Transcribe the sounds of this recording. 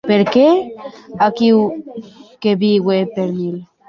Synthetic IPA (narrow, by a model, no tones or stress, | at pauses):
peɾkeakiw | keβiɡwepeɾmil